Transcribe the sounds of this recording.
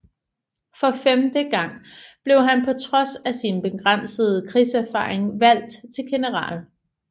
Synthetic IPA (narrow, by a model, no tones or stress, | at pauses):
fɒ̽femd̥əɡ̥ɑ̈ŋ̰b̥le̝ʊɦænpʰɒ̽t͡sʰʁɒ̽sæsinb̥e̝ɡ̥ʁɑn̰səð̞̩ˠkʰʁiːsæɐfɑ̰̈ːeŋʋæl̰d̥t͡sʰe̝lɡ̥e̝nəʁɑ̰̈ːl